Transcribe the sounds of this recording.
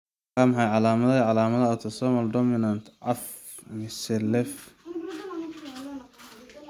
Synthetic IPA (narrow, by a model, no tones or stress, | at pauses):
amħajʕɑlaːmɐðɐʕɑlaːmɐðɐɔt̪ʰɐsɔmɐldɔmɪnɐnt̪ʰʕaf | mɪsɛlɛf